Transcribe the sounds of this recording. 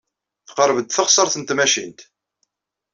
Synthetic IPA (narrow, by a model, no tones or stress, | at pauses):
θqəɾˤvəd̪θəχsˤəɾˤθənt̪mæʃint̪